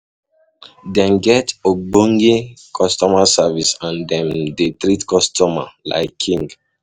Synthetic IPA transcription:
dɛ̃nɡɛtoɡ͡bõŋɡikʰɔstɔmasavisãndɛ̃mdetɾitkɔstʰɔma̰la̰ɪkʰːĩŋɡ

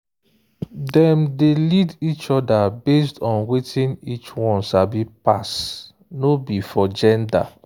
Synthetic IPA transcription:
dɛmdelidit͡ʃɔdabes̬tɔ̃nwetʰĩnit͡ʃwɔ̃nʃabipas | nobifɔd͡ʒɛ̃nda̰

